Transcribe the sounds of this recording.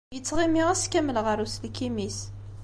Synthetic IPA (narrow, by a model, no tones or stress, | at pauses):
jət͡sːʁimiʁæskæməlʁəɾuslkːimis